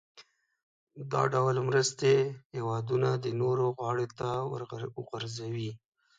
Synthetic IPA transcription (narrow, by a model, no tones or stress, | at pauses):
d̪ɑ̰ɖawlmɾəst̪ehewɑd̪unad̪ənoɾoɣwɑɽot̪awɾɣaɾzawi